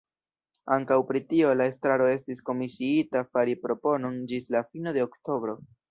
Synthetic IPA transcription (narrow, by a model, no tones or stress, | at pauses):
aŋkawpɾitio̞lae̞stɾaɾo̞e̞stisko̞misiitafaɾipɾo̞po̞no̞nd͡ʒislafino̞de̞okto̞bɾo̞